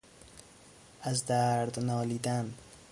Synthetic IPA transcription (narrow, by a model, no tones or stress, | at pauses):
azd̪aɾd̪nɒːlid̪an